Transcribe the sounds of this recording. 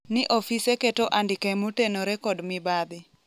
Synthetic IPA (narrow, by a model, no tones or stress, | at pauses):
nɪʔofiseketoʔandɪkamotenoɾekɔdmɪbad̪ɪ